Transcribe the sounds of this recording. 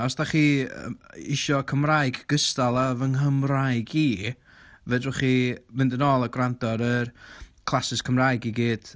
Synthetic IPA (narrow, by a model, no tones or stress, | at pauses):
ɔsd̥aχḭː | ɪʃɔkʰəmrajɡɡ̥əstalˠavənɦəmrajɡiː | vɛdrəχimɪndənɔːlˠaɡrandɔɾərkʰlˠasɪskʰəmrajɡiɡiːd̥